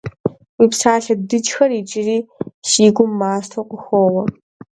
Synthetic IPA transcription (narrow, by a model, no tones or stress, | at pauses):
wiːpsaːɬɐdɨt͡ʃʼxɐrit͡ʃʼɪriːʃiːɡʷʊmːaːstʰoqʷʼʊxʷoːwɐ